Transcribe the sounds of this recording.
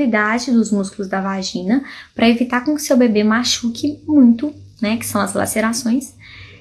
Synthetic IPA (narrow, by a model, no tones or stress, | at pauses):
lid̪ad͡ʒɪd̪ʊzmuskulʊzd̪ɐvaʒĩnɐpɾʔɐevit̪aɾkõkɪ̥sewbebemaʃukʰɪmũj̃t̪ʊ | nɛkɪ̥sɐ̃w̃ɐzla̰seɾasõj̃s